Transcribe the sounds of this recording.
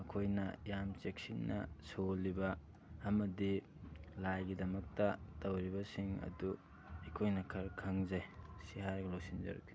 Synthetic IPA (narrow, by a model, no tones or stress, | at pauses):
ɐkʰojnɐjamt͡ʃek̚sinːɐ̰solːibɐː | mɐdi | lajɡidɐmɐk̚tɐtɐwɾibɐsiŋɐ̰du | ɐjkʰojnɐkʰɐɾkʰɐŋzajsiɦaɾɡɐlosinzɐ̰ɾɐ̰kːi̥